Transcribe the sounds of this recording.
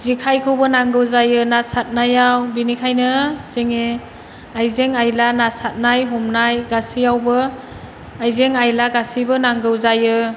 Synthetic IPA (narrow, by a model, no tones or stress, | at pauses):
zikʰajkʰɯwbɯnaŋɡɯwzajɯnasat̚najawbinikʰajnɯz̥eŋe | ajzeŋajlanasat̚najɦɔmnajɡasiawbɯ | ajzeŋajlaɡasibɯnaŋɡɯwzajɯ